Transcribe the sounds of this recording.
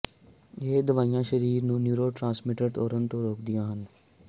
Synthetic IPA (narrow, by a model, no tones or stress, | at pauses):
ed̪əʋaːijãːʃəɾiːɾnũːnjuːɾoːʈɾãːnsmɪʈəɾt̪ɔːɾənt̪õːɾoːkʰd̪ɪjãːɦən